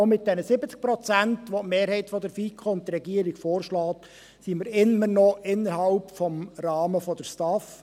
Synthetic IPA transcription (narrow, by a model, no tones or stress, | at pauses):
omɪt̚d̥ɛnəsɪbət͡sk̚pɾɔt͡sæntʋɔtmeːɾhɛɪtfɔd̪əɾfiːkʰχoʊnt̪ːɾɛɡiəɾiɡ̥foːrʃlɑːt | siməɾɪmːənɔʔɪnːəɾɦɑlpfɔmɾɑːməfɔd̪əɾstɑf